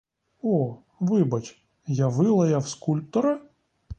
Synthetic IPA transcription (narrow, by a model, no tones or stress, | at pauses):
ɔ | ʋɪbɐt͡ʃʲ | jaʋɪlˠɐjɐwskulʲp̚t̪ɔɾɐ